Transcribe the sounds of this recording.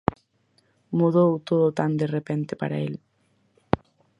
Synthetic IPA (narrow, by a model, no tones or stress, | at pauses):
muðowt̪oðot̪and̪erepent̪epa̰ɾa̰el